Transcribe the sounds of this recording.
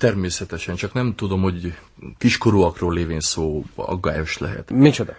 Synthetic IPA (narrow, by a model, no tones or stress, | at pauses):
t̪ɛrmeːsɛt̪ɛʃɛnt͡ʃɒknɛmt̪ud̪o̞mho̞ɟ | kiʃkoɾuːɒkroːleːveːnsoːɒ̰ɡːa̰ːjo̞ʃlɛ̰ɦɛ̰t̪mit͡ʃod̪ɒ